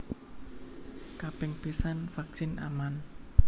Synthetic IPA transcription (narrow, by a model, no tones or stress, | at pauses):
kapɪŋpisanfak̚sɪna̰man